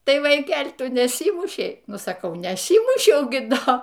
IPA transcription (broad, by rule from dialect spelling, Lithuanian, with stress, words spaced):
ˈtɐɪ ʋɐɪˈkʲɛlʲ ˈtʊ nʲɛˈsʲiːmʊʃʲɛɪ ˈnʊ sɐˈkɐʊ nʲɛˈsʲiːmʊʃʲɛʊ ɡʲɪ ˈdoː